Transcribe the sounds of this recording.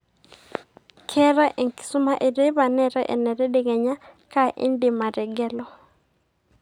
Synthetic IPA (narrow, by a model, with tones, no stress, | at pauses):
kʰɛ˦ɾa˦ʔe˨ŋki̥˨su˦ma˦ʔe˨de˦ba˨nɛ˨ɾɛ˦ʔḛ˨nɛ˨ɾɛ˦de˦ŋɛ˨ɲa˦ka˦ʔḭ˦ndi˨ma˨ɾɛ˨ɡɛ˦lɔ˦